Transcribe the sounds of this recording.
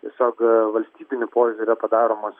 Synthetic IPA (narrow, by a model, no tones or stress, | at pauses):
t̪ʲiɛsʲoːkʋɐlʲsʲt̪ʲiːbʲɪnʲʊpoːzʲʊɾʲɛpɐd̪ɑːɾoːmɐs